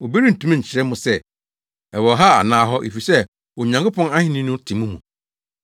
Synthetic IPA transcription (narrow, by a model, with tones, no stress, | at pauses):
o˨be˦ɾi˦n̩˨tʰũ˦mã˦˨ɲ̩˨t͡ɕʰɪ˨ɾɛ˦mʊ̃˨sɛ˦˨ | ɛ˨wɔ˨ɦa˦a̰˨nãː˦ɦɔ˦ʔe˨fi˨sɛ˦ | ɔ˨ɲã˨ŋkʰʊ˦pʰɔ̃˦na˦hɪ̃˦nɪ̃˦nʊ̃˦tʰɪ̃˨mũ˦mũ˨